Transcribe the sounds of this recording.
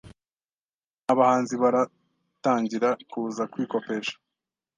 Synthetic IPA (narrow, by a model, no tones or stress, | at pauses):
aβahaːnziβaɾa | taːɲɟiɾakuzakwiːko̞pe̞ːʃḁ